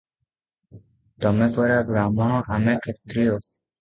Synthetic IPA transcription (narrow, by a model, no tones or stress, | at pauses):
t̪ɔmepɔɾabɾamɔɦɔ̃ʔamekʰet̪ɾijo